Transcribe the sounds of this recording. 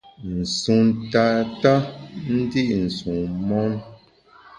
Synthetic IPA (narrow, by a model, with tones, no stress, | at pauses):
n̩˨su˨nta˨ta˦n̩˦di˦ʔn̩˨su˨mɔ˦n